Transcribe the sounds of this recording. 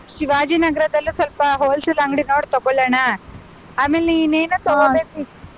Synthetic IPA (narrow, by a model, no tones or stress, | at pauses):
ʃiʋad͡ʒiːnɐɡɾɐd̪ɐlːusɐlpɐɦoːlslaŋɡɽinoːɽt̪ɔɡolana | amelinenut̪ɔɡod̪epi